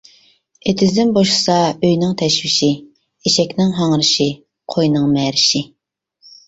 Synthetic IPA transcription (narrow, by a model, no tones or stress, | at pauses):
et̪ʰɪzd̪ɪnboʃsɑøjnɪŋt̪ʰɛʃwɪʃi | eʃɛkʲnɪŋɦɑŋɾɨʃi | qʰojnɨŋmɛɾɪʃi